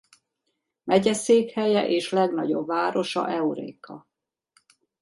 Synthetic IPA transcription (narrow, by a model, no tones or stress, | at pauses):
mɛɟɛseːkhɛjɛʔeːʃlɛɡnɒɟo̞bvaːɾo̞ʃɒ̰ʔɛuɾḛːkɒ